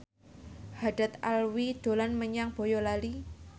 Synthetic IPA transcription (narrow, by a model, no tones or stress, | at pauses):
haɖ̥a̤t̪̚alwid̪̥o̤lanməɲaŋb̥o̤jɔlali